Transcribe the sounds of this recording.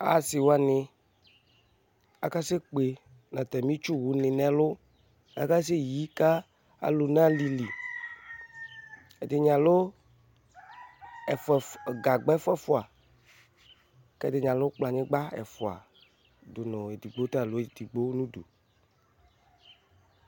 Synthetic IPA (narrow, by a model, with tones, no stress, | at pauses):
a̰˦˨sɪ˨wo˦a˨nɪ̃˨ | a̰˨ka˦se˦k͡pe˨ | nã˨t̪ɛ˨mĩ˦t͡ʃu˦wu˨nɪ̃˨nɛ̃˨lʊ˦ | a̰˦ka˦s̬e˦ji˦ka˦ | a̰˨lo˨nã˦li˨li˨ | e˨d̪ɪ˨ɲ˨ã˨lo˦ | ɛ˨fɛ˨ɡa˨ɡ͡bɛ˦fɛ˦fʊ˨a˨ | kɛ˦d̪ɪ˨ɲã˨lʊ˦k͡pla˨ɲɪ̃˦ɡ͡ba˦ɛ̰˨fʊ˨a̰˨ | d̪o˨nɔ̃˨e˨d̪i˨ɡ͡bo˦t̪a˦˨lo˦e˦˨d̪i˨ɡ͡bo˦nũ˦do̰˨